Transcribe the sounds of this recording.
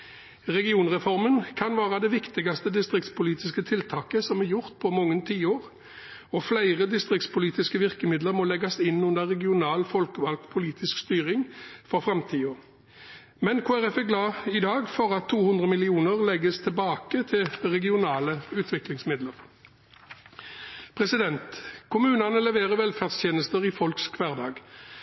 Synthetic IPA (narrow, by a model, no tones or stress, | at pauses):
ʁɛɡɪuːnʁɛfɔʁmənkʰɑnʋæːʁɑd̪ɛʋɪkt̪ɪɡɑst̪əd̪ɪst̪ʁɪk̚t̪spʰʊliːt̪ɪskət̪ʰɪlt̪ʰɑːkəsɔmɛjʊʁt̪̚pʰɔmɔŋːənt̪ʰiːoːʁ | ɔflæɪʁəd̪ɪst̪ʁɪk̚t̪spʊliːt̪ɪskəʋɪʁkəmɪd̪ləʁmɔlɛɡɑsɪnːʉnd̪əʁɛɡɪʊnɑːlfɔlkəʋɑlk̪̚pʰʊliːt̪ʰɪskst̪yːʁɪŋfɔʁfʁɑmt̪ʰiːɔ | mɛnkʰoːæʁɛfæɡlɑːɪd̪ɑːɡfɔʁɑt̪ʰːuːhʉnd̪ʁəmɪlɪuːnəʁlɛɡəst̪ʰɪbɑːkət̪ʰɪlʁɛɡɪʊnɑːləʉːt̪ʰʋɪklɪŋsmɪd̪ləʁ | pʰʁɛsɪd̪ɛnt̪kʰʊmʉːnɑnəlɛʋeːʁəʋɛlfæʁd̪sʰjeːnəst̪əʁiːfɔlkskʰʋæːʁd̪ɑːɡ